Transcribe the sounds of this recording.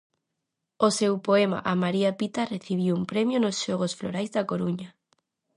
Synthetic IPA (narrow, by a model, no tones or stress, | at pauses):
osewpoema̰ʔamaɾiapit̪areθiβ̞iwumpɾemjonosʃɔɣosfloɾajzðakoɾuɲa